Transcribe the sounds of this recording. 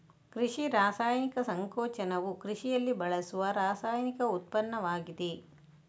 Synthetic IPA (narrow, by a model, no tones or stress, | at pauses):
kɾiʂiɾaːsaːjɐnikɐsɐŋkɔːt͡ʃɐnɐʋukɾiʂijɐlːibɐɭɐsuʋɐɾaːsaːjɐnikɐut̪̚pɐnːɐʋaːɡid̪e